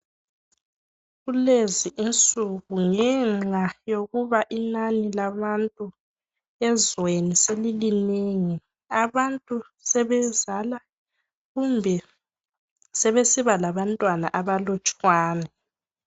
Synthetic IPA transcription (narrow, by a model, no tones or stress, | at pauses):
ɣuleziʔint͡sʼuɣuŋɛŋ͡ǁajoɣuβaʔinanilaβantʼu | ɛzweniselilineŋi | aβantʼu | sɛβɛzala | ɣumbʱɛ | sɛβesiβalaβantʼwanaʔaβalɔt͡ʃʼwaːnɛ